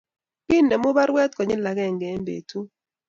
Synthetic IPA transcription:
pi˦nːɛ˨mʊ˦ba˦ɾwɛ˦t̪̚kɔ˨ɲɪ˦la˨ɡɛ˦˨ŋɡɛ˨˦mbḛ˨tu˦

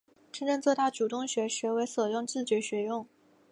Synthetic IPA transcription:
ʈ͡ʂʰi˥nʈ͡ʂə˥˧ŋt͡sɤ˥˧t̪a˥˩ʈ͡ʂu˨˩t̪ʊ˥ŋɕɥɛ˧˥ɕɥɛ˧˥we˧˥ɪsɤ˨˩jʊ˥˧ŋt͡sɹ̩˥˩t͡ɕɥɛ˧˥ɕɥɛ˧˥jʊ˥˩ŋ

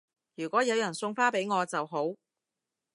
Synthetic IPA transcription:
jyː˨˩kʷɔː˨˥jɐ˨˧wjɐ˨˩nsʊ˧ŋfaː˥pe˨˥jŋɔː˨˧t͡sɐ˨wɦo˨˥w

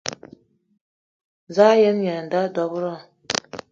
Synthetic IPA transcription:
za˦jə˦njɛ˨n̩˨da˦dɔ˨˦bɾɔ˦˨

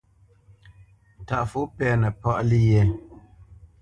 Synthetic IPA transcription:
ta˨ʔfu˦pɛ˦nə˨pɔ˦ʔli˦je˦˨

